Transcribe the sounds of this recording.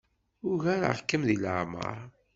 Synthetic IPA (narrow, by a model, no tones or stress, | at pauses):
ʊʝæɾa̰ʁkːəmðiləʕmə̰ɾˤ